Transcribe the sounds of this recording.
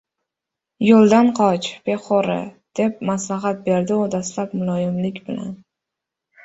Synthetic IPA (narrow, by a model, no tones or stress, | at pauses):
jolˠd̪anqʰɒt͡ʃb̥e̞χɒɾɪ̰d̪̥e̞p̚maslaɦat̪̚be̞ɾd̪ɪod̪aslapmʊlˠɒjɪmlɪkʲbɪla̰n